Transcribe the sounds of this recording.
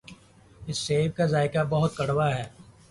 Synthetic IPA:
ɪsːeːb̚kazaːɪkabɐɦʊt̪̚kɐɽwaɦɛː

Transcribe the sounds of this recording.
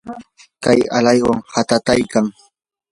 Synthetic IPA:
kaja̰lajwaŋhat̪at̪ajkaŋ

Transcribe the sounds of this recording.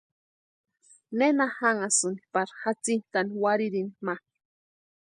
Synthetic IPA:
nenahaŋasunipaɾxat͡sint̪aniwaɾiɾinimḁ

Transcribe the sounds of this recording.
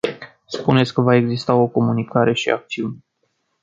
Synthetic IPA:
spunet̪sʲkəvae̞ɡzist̪ao̞ko̞munikaɾe̞ʃḭa̰k̚t̪siunʲ

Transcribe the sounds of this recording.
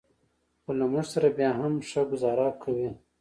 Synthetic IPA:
xolamuʐsaɾabjɑɦamʂaɡʊzɑːɾakʰawi

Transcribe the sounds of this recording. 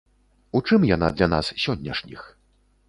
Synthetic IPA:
ut͡ʂɨmjanad̪lʲana̰ssʲɔnʲːɐ̰ʂnʲix

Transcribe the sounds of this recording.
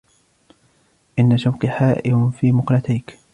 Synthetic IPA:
ʔɪnːaʃawkaħaːʔɪmʊnfiːmʊqlat̪ajk

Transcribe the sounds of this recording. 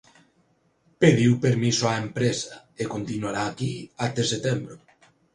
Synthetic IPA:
peðiwpeɾmisoaempɾesa | ekont̪inuaɾaːkiat̪eset̪ɛmbɾo

